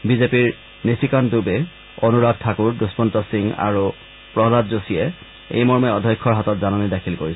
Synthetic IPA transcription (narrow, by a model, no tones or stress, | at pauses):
bizepiɹ | nisikandubɛ | onuɹad̚tʰːakuɹduspɔntɔsiŋa̰ɹu | pɹɔzatzosiɛ | ḛjmɔɹmɛɔdʱɔjkʰːɔɹɦatɔtzanɔnidakʰilkoɹisɛ